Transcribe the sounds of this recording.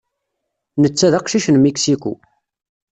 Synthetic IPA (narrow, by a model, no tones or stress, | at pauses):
nət͡sːæðɑqʃiʃənmiksiku